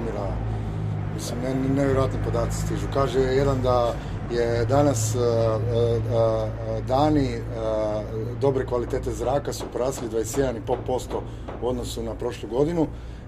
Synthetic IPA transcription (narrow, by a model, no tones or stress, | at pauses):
miɾa | misimnneʋjeɾojat̪nipo̞d̪aːt̪si̥st̪iʒukaːʒejed̪and̪a | jed̪anas | d̪aːni | d̪o̞bɾekʋalit̪e̞ːt̪e̞zɾaːkasupoɾaːsilid̪vʋajest̪je̞d̪anipo̞lpo̞st̪o̞ | uo̞d̪no̞sunapɾo̞ʃluɡo̞d̪inu